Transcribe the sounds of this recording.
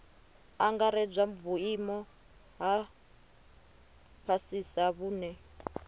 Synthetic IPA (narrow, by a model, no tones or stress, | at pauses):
aŋɡaɾɛb͡ʐʷaɱvuimɔ | ɦa | pʰasisaβuːnɛ